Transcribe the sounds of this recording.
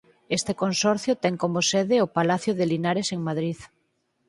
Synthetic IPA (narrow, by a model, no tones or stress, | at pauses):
est̪ekonsɔɾθjʊt̪ɛŋkomoseðeopalaθjʊðelinaɾeseŋmaðɾið